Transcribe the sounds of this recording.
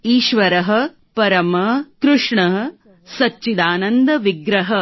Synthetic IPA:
iːʃʋɐɾɐɦɐ̆ | pɐɾɐmɐkɾuʂɳɐɦ | sɐt͡ʃːt͡ʃid̪aːnɐnd̪ɐʋiɡɾɐɦɐ

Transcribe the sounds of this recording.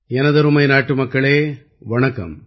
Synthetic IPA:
ɛnɐðɐɾɯmɐɪnaːʈːɯmɐkːɐɭeː | ʋɐɳɐkːɐ̰m

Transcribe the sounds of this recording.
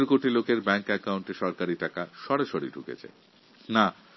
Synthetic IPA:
ɾkoʈilokeɾbɛŋkɛkawɳʈeʃɔɾkaɾiʈakaʃɔɾeʃoɾḭɖʱukḛt͡ɕʰḛ | na

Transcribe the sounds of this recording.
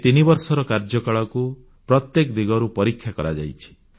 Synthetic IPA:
t̪inibɔɾsɔɾɔkaɾd͡ʒɔkaɭɔku | pɾɔt̪jekd̪iɡɔɾupɔɾikʰːjakɔɾad͡ʒa̰jt͡ʃʰi̥

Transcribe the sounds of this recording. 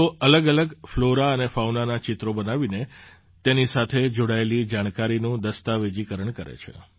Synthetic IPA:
oələɡələɡfloɾaənefawnanat͡ʃɪt̪ɾobənaʋine | t̪enisat̪ʰed͡ʒoɽaelid͡ʒaɽ̃kaɾinũd̪əst̪aʋed͡ʒikəɾəɳkəɾḛt͡ʃʰḛ

